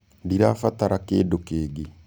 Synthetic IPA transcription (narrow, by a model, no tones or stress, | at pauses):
diɾafataɾakeːdokeːɡe